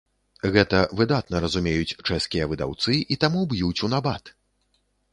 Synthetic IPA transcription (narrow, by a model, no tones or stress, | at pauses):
ɣɛt̪ɐvɨd̪at̪̚nɐɾɐzumʲejut͡sʲt͡ʂɛskʲijɐvɨd̪a̰wt̪sɨʔit̪amubjut͡sʲunabat̪